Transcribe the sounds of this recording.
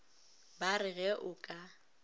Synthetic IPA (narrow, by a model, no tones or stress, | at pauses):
barɪɣɛʔʊkʼa